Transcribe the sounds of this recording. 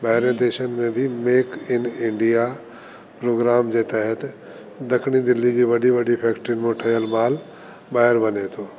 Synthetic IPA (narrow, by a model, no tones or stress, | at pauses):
baɦɪɾẽd̪eːʃənmẽbʱɪmeːkɪnɪ̃ɳɖija | pɾoːɡɾaːmd͡ʑeːt̪ɛɦət̪ | d̪ɐkʰɽid̪ɪlːid͡ʑiːʋɐɖiʋɐɖipʰɛːkʈɾɪnmõʈʰəjəlmaːl | baːɦəɾbɐnet̪ʰoː